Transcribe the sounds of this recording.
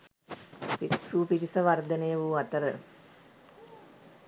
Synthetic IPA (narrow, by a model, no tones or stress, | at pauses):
piksuːpit̪isəʋaɾd̪ənejəʋuat̪əɾə